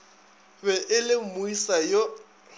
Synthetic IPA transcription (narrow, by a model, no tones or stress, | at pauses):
bɛʔɪlɪmʊisajo